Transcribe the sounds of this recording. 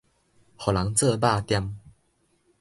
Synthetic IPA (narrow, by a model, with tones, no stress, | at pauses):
ho˨la˨˦ŋt͡sə˥˧ba˥˧t̪ja˥˧m